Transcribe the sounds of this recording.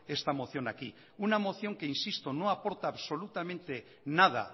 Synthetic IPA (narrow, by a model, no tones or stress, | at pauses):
est̪amo̞θjo̞naki | unamo̞θjo̞ŋke̞insist̪onoapo̞ɾt̪aːβso̞lut̪amẽnt̪e | nað̞a̰